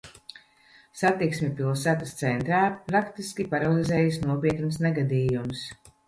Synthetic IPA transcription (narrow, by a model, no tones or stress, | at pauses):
sat̪iksmʲɛpilˠsæːt̪ast̪sɛnt̪ɾaːpɾakt̪iskʲipaɾalˠizɛːjasnuɔpiɛt̪nsneɡad̪iːjums